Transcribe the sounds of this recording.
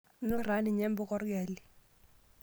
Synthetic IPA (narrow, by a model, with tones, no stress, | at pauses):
nɪ˦ra˨˦nɪ˨ɲɛ˦mbɔ˦kɔ˦rɡɛ˨li˨